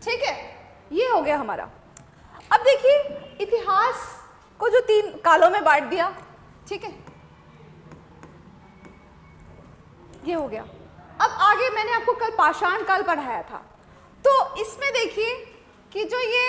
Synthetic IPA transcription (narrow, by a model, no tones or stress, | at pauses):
ʈʰiːkɦɛː | jeɦoɡɐjaɦɐma̰ːɾa̰ | ɐb̚d̪eːkʰieɪt̪ɪɦaːs | kod͡ʒoːt̪iːnkaːlõmẽbaːʈ̚ʰd̪ijaː | ʈʰiːkɦɛː | jeɦoɡɐja̰ːɐbaːɡemɛːneaːp̚kokɐlpaːʃaːnkalpɐɽ̤aːja̰t̪ʰa̰ː | t̪oːɪsmẽd̪eːkʰie | kid͡ʒoːje